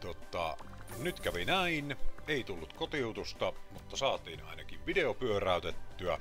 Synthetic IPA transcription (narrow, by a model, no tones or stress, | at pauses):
t̪ot̪ˑɑ̰nyt̪kæʋinæineˑit̪ulːut̪kot̪iut̪ust̪ɑmut̪ːɑsɑːt̪iːnɑ̰ˑinɑkiʋʋideopyøræˑyt̪et̪ːyæ